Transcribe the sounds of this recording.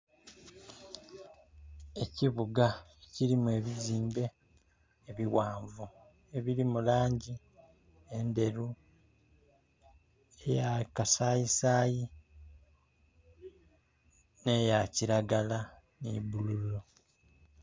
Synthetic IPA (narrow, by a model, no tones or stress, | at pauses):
e̞ciβuɡaciɾimue̞ːβiziːmbe̞ː | βiwaːɱvu | e̞βiɾimulaːɲɟi | ende̞ɾu | e̞jakasaːjisaːji | ne̞jaciɾaɡala | nibululo